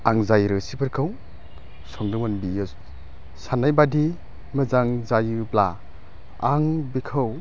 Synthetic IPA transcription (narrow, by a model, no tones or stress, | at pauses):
aŋzajɾɯsibɯɾkʰɯw | sɔŋdɯmɯnbijɯs | sanajbadi | mɯzaŋzajɯbla | aŋbikʰɯw